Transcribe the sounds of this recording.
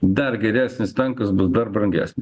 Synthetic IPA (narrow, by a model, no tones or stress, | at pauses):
d̪ɐɾɡʲɛɾʲæːsʲnʲɪst̪ɐŋkɐsbʊsd̪ɐrbɾɐŋʲɡʲæ̰ːsʲnʲɪ